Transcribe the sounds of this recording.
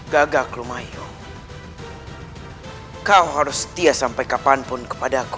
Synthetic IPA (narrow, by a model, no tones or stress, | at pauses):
ɡaɡaklumaju | kawɦaɾʊsːə̥t̪iasampajkapanpʊnkə̥padaku̥